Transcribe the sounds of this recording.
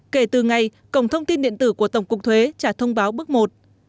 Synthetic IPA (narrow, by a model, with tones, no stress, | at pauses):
ke˧˩t̪ɨ˨˩ŋa˨˩j | kə˧˩wŋ͡mt̪ʰə˧wŋ͡mt̪i˧nɗḭ˧˨ənt̪ɨ˧˩ku˧˩ət̪ə˧˩wŋ͡mkʊ˨˩k̚t̪ʰwe˨˦t͡ɕaː˧˩t̪ʰə˧wŋ͡mɓaː˨˦wɓɨ˦˥ək̚mo˨˩t̚